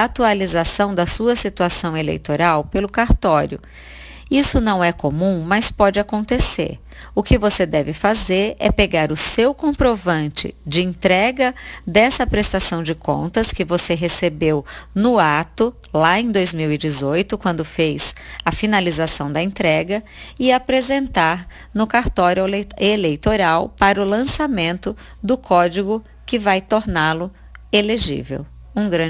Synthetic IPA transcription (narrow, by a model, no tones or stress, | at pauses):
at̪ualizasɐ̃w̃d̪ɐsuɐsit̪uasɐ̃w̃elḛjt̪oɾawpelʊkaɾt̪ɔɾjʊ̰ | isʊnɐ̃w̃ɛkomũmɐspɔd͡ʒɪakõnt̪esḛɾ | ʊkɪvosed̪ɛvɪfazeɾɛ̰peɡaɾʊsewkõpɾovɐ̃nt͡ʃɪ̰d͡ʒɪẽnt̪ɾɛɡɐd̪ɛsɐpɾest̪asɐ̃w̃d͡ʒɪkõ̰nt̪ɐskɪvoseɦesebewnʊat̪ʊlaẽd̪ojzmiwɪd͡ʒɪzojt̪ʊkwɐ̃nd̪ʊfejsɐfinalizasɐ̃w̃d̪ɐẽnt̪ɾɛɡɐ | ɪapɾezẽnt̪aɾ | nʊkaɾt̪ɔɾelejt̪oɾawpaɾɐʊlɐ̃samẽnt̪ʊ | d̪ʊkʰɔd͡ʒiɡʊ | kɪvajt̪oɾnalʊ | eleʒḭvḛw | ũɡɾɐ̃